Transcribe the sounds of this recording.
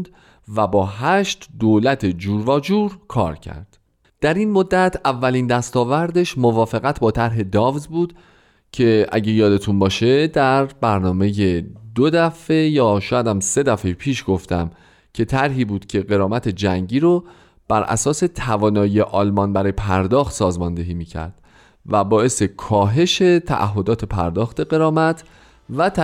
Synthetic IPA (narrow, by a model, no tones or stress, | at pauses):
d̪ | væbɒːɦæʃt̪d̪oːlæt̪ʰe̞d͡ʒuːɾvɒːd͡ʒuːɾkʰɒ̰ːɾcʰæ̰ɾd̪̥ | d̪̥æɾinmod̪ːæt̪ʰævːæliːnd̪æst̪ɒːvæɾd̪e̞ʃmovɒːfeɣæt̪ʰbɒːt̪ʰæɾɦe̞d̪ɒːvzbuːd̪̥ | cʰe̞ʔæ̰ɟejɒːd̪e̞t̪ʰunbɒːʃe̞d̪æɾbæɾnɒːme̞jed̪od̪æfe̞jɒːʃɔːjæd̪æmse̞d̪æfejpʰiːʃɡ̥o̞ft̪æm | cʰe̞t̪ʰæɾɦiːbuːd̪̥cʰe̞ɢe̞ɾɒːmæt̪ʰe̞d͡ʒæŋɟiːɾo | b̥æɾʔæ̰sɒːse̞t̪ʰævɒːnɒːjijeʔɒːlmɒnbæɾɒːjepʰæɾd̪ɒːxt̪sɒːzmɒnd̪e̞ɦiːmiːcʰæ̰ɾd̪̥ | væbɒːʔe̞sekʰɒːɦe̞ʃe̞t̪ʰæ̰ʔæ̰ɦːo̞d̪ɒːt̪ʰe̞pʰæ̰ɾd̪ɒːxt̪e̞ɣe̞ɾɒːmæt̪ʰ | væt̪